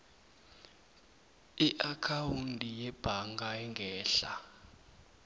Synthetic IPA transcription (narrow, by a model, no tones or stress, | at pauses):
iʔakʰauntʼijɛb̥ʱaŋɡaɛŋɡʱɛːɬa̰